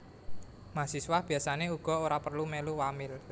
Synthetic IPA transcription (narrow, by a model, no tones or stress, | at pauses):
masiswahb̥i̤asaneuɡ̥ɔ̤oɾapərlumeluwamɪl